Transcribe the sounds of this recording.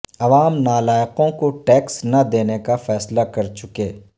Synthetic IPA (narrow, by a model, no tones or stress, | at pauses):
ɐʋaːmnaːlaːjqõkoʈɛːksnɐd̪eːnekafɛːslakɐɾt͡ʃʊkeː